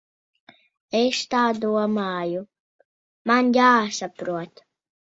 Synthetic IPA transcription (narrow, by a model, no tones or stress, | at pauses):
est̪aːd̪uɔmaːju | manjaːsapɾuɔt̪